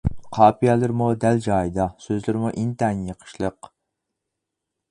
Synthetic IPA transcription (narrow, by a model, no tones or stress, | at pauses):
qʰɑːpijɑlˠɨɾmud̪ɛld͡ʒɑːjd̪ɑsøzlɪɾmuʔint̪ɛnjəqʰə̥ʃlˠəq